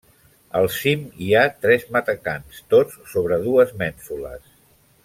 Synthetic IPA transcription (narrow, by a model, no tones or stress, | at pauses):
əlˠsimiat̪ɾɛzmət̪əkanst̪ot͡sːoβɾəðuəzmɛnsulə̰s